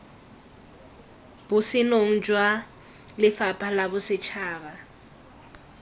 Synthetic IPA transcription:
bʊsɪnoŋ̩d͡ʒʼwa | lɪfapʼalabʊsɪt͡ʃʰaːba

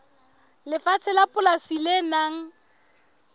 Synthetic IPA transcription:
lɪfat͡sʰɪlapʼʊlasilenaŋ̩

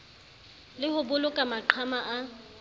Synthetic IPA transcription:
lɪhʊbʊlʊkʼamaǃʰwamaʔa

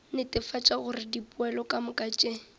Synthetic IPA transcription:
nɪtʼɪfat͡ʃʼaɣʊrɪdipʼʊɛlɔkʼamʊkʼat͡ʃʼe

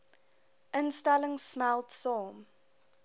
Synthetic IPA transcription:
ʔənstɛləŋsmælˠtsɔːm

